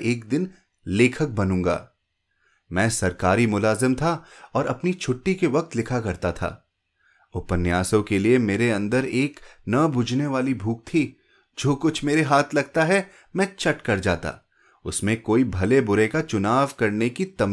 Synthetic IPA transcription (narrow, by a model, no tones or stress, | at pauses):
eːkd̪ɪn | leːkʰək̚bɐnũːŋɡa̰ː | mɛ̃ːsɐɾkaːɾimʊlaːzɪmt̪ʰaɔːɾɐpnit͡ʃʰʊʈːikeʋɐk̚t̪lɪkʰakɐɾt̪at̪ʰa̰ː | ʊpənjaːsõkeliemeːɾeɐ̃nd̪əɾeːknɐbʊd͡ʒʱneʋaːlibʱuːk̚t̪ʰi | d͡ʒoːkʊt͡ʃʰmeːɾeɦaːt̪ʰlɐɡ̚t̪aɦɛ | mɛ̃ːt͡ʃɐʈkɐɾd͡ʒaːt̪a̰ | ʊsmẽkoːibʱɐlebʊɾekat͡ʃʊnaːʋkɐɾnekit̪ɐm